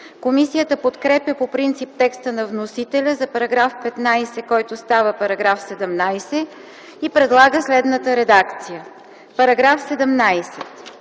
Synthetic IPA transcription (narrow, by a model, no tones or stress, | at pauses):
komisijət̪əpot̪kɾɛpjəpopɾint̪sip̚t̪ɛkst̪ənɐvnosit̪ɛlʲəzɐpɐɾɐɡɾafpɛt̪najsɛkɔjt̪ʊst̪avəpɐɾɐɡɾafsɛd̪ɛmnajsɛ | ipɾɛd̪lˠaɡəslɛd̪nət̪əɾɛd̪akt̪sijə | pɐɾɐɡɾafsɛd̪ɛmnajsɛt̪